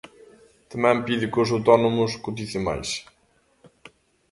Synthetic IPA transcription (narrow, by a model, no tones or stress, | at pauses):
t̪ɐmɛ̃mpiðikʊsɐwt̪ɔnomʊskut̪̬iθima̰js